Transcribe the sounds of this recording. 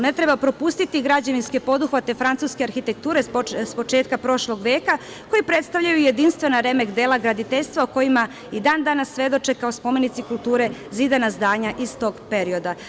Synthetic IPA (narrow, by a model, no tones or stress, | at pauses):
ne̞t̪ɾebapɾo̞pust̪it̪iɡɾad͡ʑeʋinske̞po̞d̪uxʋat̪e̞fɾant̪suːskeaɾxit̪e̞k̚t̪uːɾespo̞t͡ʃeːt̪kapɾo̞ʃlo̞ɡʋeːka | ko̞jipɾe̞t̪st̪avʎajuje̞d̪inst̪ʋe̞naɾe̞me̞kd̪eːlaɡɾad̪it̪eʎʲst̪ʋaoko̞jima | id̪aːnd̪anasːʋe̞d̪o̞t͡ʃekaospo̞me̞nit̪sikulˠt̪uːɾe̞zid̪anazd̪aːɲaʔist̪o̞ːɡpe̞ɾio̞d̪a